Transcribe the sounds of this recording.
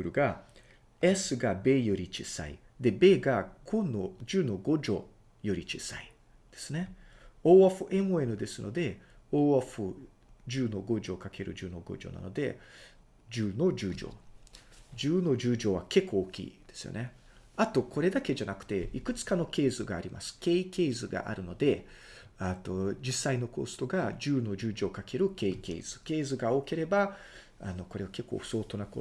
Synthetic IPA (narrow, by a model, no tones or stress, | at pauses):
ɯɾɯ̟ɡa | esɨɡabe̞ːjo̞ɾʲit͡ɕḭsa̰ḭ | d̪e̞be̞ːɡaɡonod͡ʑɨːno̞ɡo̞ʑo̞̰ | jo̞ɾʲit͡ɕisa̰i | d̪̥e̞sɨne̞oːaɸɯ̟ʔe̞moenɯ̟d̪e̞sɨno̞̰d̪e̞oːaɸɯ̟ | d͡ʑɨːno̞ɡo̞ʑo̞kake̞ɾɯ̟̰d͡ʑɨːno̞ɡo̞̰d͡ʑo̞̰na̰no̞̰d̪e̞̰ | d͡ʑɨːno̞d͡ʑɨːd͡ʑo̞̰ː | d͡ʑɨːno̞d͡ʑɨːd͡ʑo̞ːβake̞kʰːo̞ːkʲḭːd̪̥e̞̥sɨjo̰ne̞ | at̪o̞kʰo̞ɾe̞d̪ake̞d͡ʑanakɯ̟̥t̪e̞ikɯ̟t͡sɨ̥kano̞ke̞ːzɨɡaːɾʲima̰sɨ̥ke̞ːike̞ːzɨɡa̰ʔa̰ɾɯ̟no̞d̪e̞ | at̪o̞d͡ʑisːaino̞ko̞̰sɨ̥t̪o̞ɡad͡ʑɨːno̞d͡ʑɨːd͡ʑo̞ːkakʰe̞ɾɯ̟ke̞ike̞̰ːz̥ɨke̞ːzɨɡao̞ke̞ɾe̞ba | ano̞ko̞ɾe̞βake̞kːo̞̰ːɸɯ̥so̞ːt̪o̞nako̰